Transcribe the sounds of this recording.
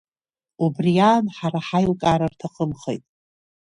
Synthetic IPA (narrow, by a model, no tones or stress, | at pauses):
ubrijaːnħaɾaħajlkʼaɾartʰaqʼəmχḛjtʼ